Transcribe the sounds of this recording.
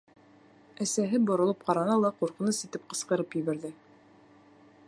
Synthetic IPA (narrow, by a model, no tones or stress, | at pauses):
æsæɦɘbŏɾŏlˠɤp̚qɑɾɑnɑlˠɑquɾqɤ̆nɤsit̪ɘp̚qɤ̆sqɤ̆ɾɤpjɘ̆βæɾðɘ